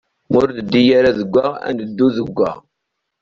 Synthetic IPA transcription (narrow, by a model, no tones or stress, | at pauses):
mʊɾd̪əd̪ːijaɾaðəɡʷːaæ̰nd̪əd̪ːuðəɡʷːæ̰